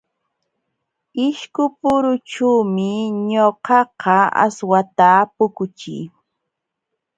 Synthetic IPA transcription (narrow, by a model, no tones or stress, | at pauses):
ɪʃkʊpʊɾʊʈ͡ʂuːmɪɲoqɑqɑa̰swat̪apʊkʊt͡ʃɪ̰j